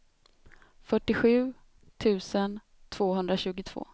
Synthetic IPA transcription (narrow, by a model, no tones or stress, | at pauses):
fœʈːɪɧʉ̟ː | t̪ʰʉ̟ːsən | t̪ʰv̥oːɦɵnd̪ɾaɕʉ̟ːɡʊt̪ʰv̥o̰ː